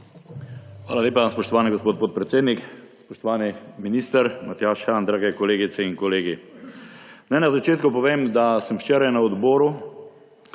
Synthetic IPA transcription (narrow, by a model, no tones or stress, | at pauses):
xʋaːlaleːpaspɔʃt̪ɔʋaːniɡospoːt̪̚poːt̪̚pɾɛt̪seːd̪nikspɔʃt̪ɔʋaːniminiːst̪əɾmat̪jaːʃand̪ɾaːɡɛkɔleːɡit̪sɛiŋkɔleːɡi | najnazat͡ʃeːt̪kupɔʋeːmd̪asəmwt͡ʃeːɾajnaɔd̪bɔːɾu